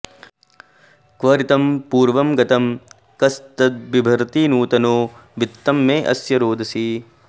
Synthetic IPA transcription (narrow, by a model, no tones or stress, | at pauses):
kʋɐːɾit̪ɐmpuːɾʋɐmɡɐt̪ɐm | kɐst̪ɐt̪̚bibʱɐɾt̪iːnuːt̪ɐnoːʋit̪ːɐmːeːʔɐ̰sjɐɾoːd̪ʱɐsiː